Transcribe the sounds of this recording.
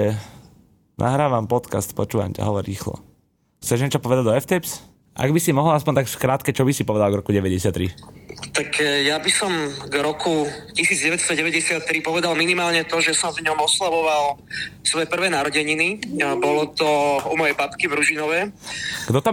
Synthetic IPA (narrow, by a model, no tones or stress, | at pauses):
ɛ | nʔa̰ɦɾaːʋampɔt̪kast̪pɔt͡ʃuːʋa̰mca̰ɦɔʋɔɾɾiːxlɔ̰ | xt͡sɛʒɲɛt͡ʃɔpɔʋɛd̪aɟd̪ɔɛft̪ɛps | ʔa̰ɡbisimɔɦl̩aspɔɲnt̪akskɾaːt̪kɛt͡ʃɔbisipɔʋɛd̪alɡɾɔkuɟɛʋɛɟɛsɪat̪ːɾit̪akjabisɔmɡɾɔkʰucisiːd͡zɟɛʋɛt̪st̪ɔɟɛʋɛɟɛsɪat̪ːɾipɔʋɛd̪alminimaːlɲɛt̪ɔʒɛsɔmvɲɔmɔslaʋɔʋal | sʋɔjɛpr̩ʋɛːnaɾɔɟɛɲinibɔlɔt̪ɔumɔjɛjbapkivɾuʒinɔʋɛɡd̪ɔt̪a